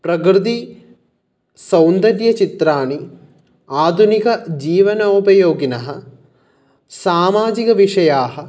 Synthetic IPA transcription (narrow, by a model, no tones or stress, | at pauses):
pɾɐkɾɨd̪i | sɐwnd̪ɐɾjɐt͡ʃit̪ɾaːɳi | aːd̪ʱunikɐd͡ʒiːʋɐnɐupɐjoːɡinɐɦɐ̆ | saːmaːd͡ʒikɐʋiʂɐjaːɦɐ̆